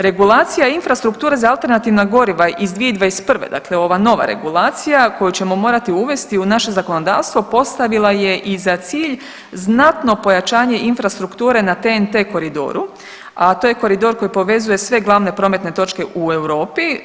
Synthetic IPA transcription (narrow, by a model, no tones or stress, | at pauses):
ɾe̞ɡulˠaːt̪sijainfɾast̪ɾukt̪uːɾe̞zaalˠt̪e̞ɾnat̪iːʋnaɡo̞ɾiʋaʔizd̪ʋieid̪ʋaespr̩ʋḛd̪a̰kle̞o̞ʋano̞ʋa̰ɾḛɡulˠaːt̪sijako̞jut͡ɕe̞mo̞mo̞ːɾat̪iuʋe̞st̪iunaʃe̞zako̞no̞d̪a̰ːʋst̪ʋo̞po̞st̪aʋilˠaje̞ʔizat̪siːʎ | znat̪no̞po̞jat͡ʃaːɲe̞ʔinfɾast̪ɾukt̪uːɾe̞nat̪ent̪eːko̞ɾid̪o̞̰ːɾu | at̪oːje̞ko̞ɾid̪o̞ɾko̞jipo̞ʋe̞zuje̞sʋe̞ɡlˠaːʋne̞pɾo̞ːme̞t̪ne̞t̪o̞t͡ʃke̞ʔue̞wɾo̞ːpi